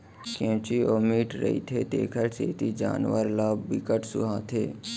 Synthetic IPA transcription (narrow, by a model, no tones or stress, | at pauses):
kõːt͡ʃioːmiːʈɾə̰ḭt̪ʰeːt̪ḛːkʰəɾseːt̪id͡ʒa̰ːnʋəɾlaːbbɪkəʈsʊ̰ɦãːt̪ʰeː